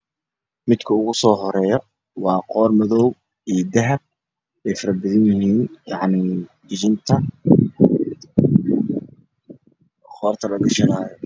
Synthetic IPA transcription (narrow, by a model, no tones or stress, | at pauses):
mɪd̪kʰɐʊɣʊsɔːɦɔɾɛːjɔ | wɑːqɔːrmɐðɔw | iːjd̪ɐɦɐb̚ | ɛjfɐɾɐbɪðɪnjɪɦiːnjɑʕnid͡ʒɪt͡ʃɪnt̪ʰɐ | qɔːrt̪ʰɐlɐɡɐʃɐnaːjɔ